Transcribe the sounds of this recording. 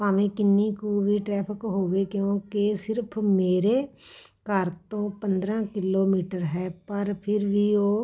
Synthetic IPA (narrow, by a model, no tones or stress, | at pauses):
paːʋẽːkɪnːiːkuːʋiːʈɾɛːpʰɪkɦoːʋeːkjõːkesɪɾpʰmeːɾeːkəɾt̪õːpənd̪ɾãːkɪloːmiːʈəɾɦɛːpəɾpʰɪɾʋiːoː